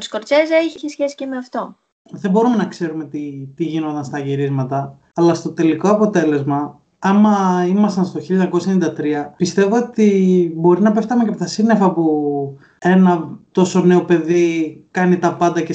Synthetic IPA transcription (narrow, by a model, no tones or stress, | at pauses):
t̪u̥sko̞ɾt͡seseiçisçesi̥cemeɐft̪o̞ | ðebo̞ɾume̞nɐkseɾume̞t̪it̪iʝinot̪ɐnst̪ɐʝiɾizmɐt̪ɐː | lɐst̪o̞t̪e̞liko̞ɐpo̞t̪e̞le̞zmɐ | ɐmɐimɐst̪ɐnst̪o̞çilʎoɲɐko̞sɐenind̪ɐt̪ɾiɐpist̪e̞voot̪ibo̞ɾinɐpeft̪ɐmecepot̪ɐsine̞fɐpu | e̞nɐt̪o̞so̞ne̞o̞pe̞ðikɐnit̪ɐpɐnd̪ɐce